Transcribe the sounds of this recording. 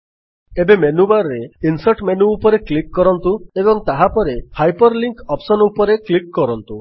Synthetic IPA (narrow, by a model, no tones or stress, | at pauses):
ebemenubaɾɔɾeinsaʈmenuːpɔɾeklikːɔɾɔnt̪uebɔŋt̪aɦapɔɾehajpɔɾliŋkɔpsɔnupɔɾeklikkːɔɾɔnt̪u